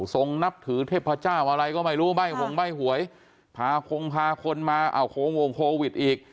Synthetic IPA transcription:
so˧ŋna˦˥p̚t̪ʰɯː˩˦t̪ʰeː˥˩p̚pʰa˧t͡ɕaː˥˩wʔa˧ɾa˧jkɔː˥˩ma˥˩jɾuː˦˥˨ba˥˩jkʰo˨˧ŋba˥˩jɦu˨˩˦əj | pʰaː˧kʰo˧ŋpʰaː˧kʰo˧nmaː˧ʔa̰˧˩wkʰo˧ŋwo˨˩ŋkʰoː˧wi˨˩t̪̚ʔiː˨˩k̚

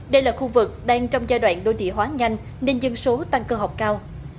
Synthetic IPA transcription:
ɗə˧jlaː˨˩xu˧vɨ˨˩k̚ɗaː˧ŋt͡ɕɔ˧wŋ͡mzaː˧jɗwa̰ː˧˨nɗo˧˩jt̪ʰḭ˧˨əɦwaː˨˦ɲa˧jŋ̟ | ne˧nzə˧ŋso˨˦t̪a˧ŋkəː˧ɦa˨˩wk͡p̚kaː˧w

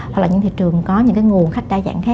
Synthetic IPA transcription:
wwa˨˩klaː˨˩ɲɨ̰˧˥ŋt̪ʰi˧˨t͡ɕɨ˨˩əŋkɔ˨˦ɲɨ̰˧˥ŋk̬aː˨˦jŋu˨˩ənxa˦˥k̟̚ɗaː˧za̰ː˧˩ŋxaː˦˥

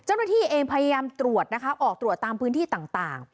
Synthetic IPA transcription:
t͡ɕa˥˩wna˥˩t̪ʰiː˥˩ʔeː˧ŋpʰa˧ja˧jaː˧mt̪ɾu˨˩ət̪̚na˦˥kʰa˦˥ʔɔː˨˩k̚t̪ɾu˨˩ət̪ːaː˧mpʰɯː˦˥nt̪ʰiː˥˩t̪aː˨˩ŋt̪aː˨˩ŋ

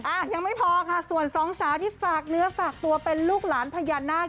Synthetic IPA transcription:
ʔaː˧˩ja˧ŋma˥˩jpʰɔː˧kʰa˥˩su˨˩ənsɔː˨˩˦ŋsʰaː˨˩˦wt̪ʰiː˥˩faː˨˩k̚nɯ˩˦ɐfaː˨˩k̚t̪u˧ɐpe˧nluː˥˩k̚laː˩˦npʰa˧jaː˧nːaː˥˩

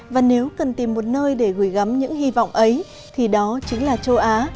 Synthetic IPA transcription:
vaː˨˩ne˨˦wkə˨˩nt̪i˨˩mːo˨˩t̚nəː˧jɗe˧˩ɣɨ˧˩jɣa˨˦mɲɨ̰˧˥ŋhi˧vɔ̰˧˨wŋ͡mʔə˨˦j | t̪ʰi˨˩ɗɔ˨˦t͡ɕï˨˦ŋlaː˨˩t͡ɕə˧wʔaː˨˦

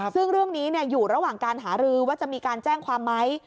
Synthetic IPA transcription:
sɯ˥˩ŋɾɯ˥˩əŋniː˦˥ni˥˩əjuː˨˩ɾa˧waː˨˩ŋkaː˧nɦaː˩˦ɾɯː˧waː˥˩t͡ɕa˨˩ʔmiː˧kaː˧nt͡ɕɛː˥˩ŋkʰwaː˧mːa˦˥j

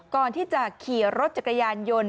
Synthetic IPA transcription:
kɔː˨˩nt̪ʰiː˥˩t͡ɕa˨˩kʰiː˨˩ɾo˦˥t̪̚t͡ɕa˨˩kːa˧jaː˧njo˧n

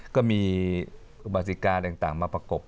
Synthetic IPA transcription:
kɔː˥˩miː˧ | ʔu˨˧˩ba˨˩t̪̬̚i˨˩kaː˧nt̪aː˨˩ŋt̪aː˨˩ŋmaː˧pɾa˧ko˨˩p̚

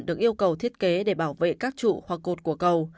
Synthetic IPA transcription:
nɗɨ˨˩ək̚ʔi˧əwkə˨˩wt̪ʰi˦˥ət̚ke˨˦ɗe˧˩ɓaː˧˩wvḛ˧˨kaː˦˥k̚t͡ɕṵ˧˨hwa˨˩k̚ːo˨˩t̚ku˧˩əkə˨˩w

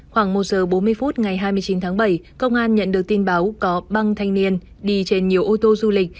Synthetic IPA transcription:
xwaː˧˩ŋmo˨˩t̚zəː˨˩ɓo˨˦nmɨ˧əjfu˦˥t̚ŋa˨˩jɦaː˧jmɨ˧əjt͡ɕi˨˦nt̪ʰaː˨˦ŋɓə˧˩jkə˧wŋ͡mʔaː˧nɲə̰˧˨nɗɨ˨˩ək̚t̪i˧nɓaː˨˦wkɔ˨˦ɓa˧ŋt̪ʰa˧jŋ̟ni˧ən | ɗi˧t͡ɕe˧nɲi˨˩əwʔo˧t̪o˧zu˧lï˨˩k̟̚

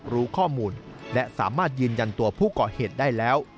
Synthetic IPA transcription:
ɾuː˦˥kʰɔː˥˩muː˧nlɛ˦˥ʔsa̰ː˩˦maː˥˩t̪̚jɯː˧nja˧nt̪u˧ɐpʰuː˥˩kɔː˨˩heː˨˩t̪̚daː˥˩jlɛː˦˥w

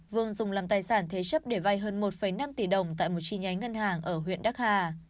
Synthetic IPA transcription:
vɨ˧˩əŋzʊ˨˩ŋ͡mlaː˨˩mt̪aː˨˩jsaː˧˩nt̪ʰe˨˦t͡ɕə˦˥p̚ɗe˧˩va˧jɦəː˧nmo˨˩t̚fə˧˩jna˧mt̪i˧˩ɗə˨˩wŋ͡mt̪a̰ː˧˨jmo˨˩t̚t͡ɕi˧˩ɲa˨˦jŋə˧nɦaː˨˩ŋʔəː˧˩ɦwḭ˧˨ənɗaː˦˥k̚haː˧˩

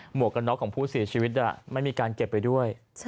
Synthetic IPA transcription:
mu˨˩əkːa˧nːɔ˦˥kʰːɔː˩˦ŋpʰuː˥˩si˨˩˦t͡ɕʰiː˧wi˦˥t̪̚ʔla̰˨˩ma˥˩jmiː˧kaː˧nke˨˩pːa˧jdu˥˩əj

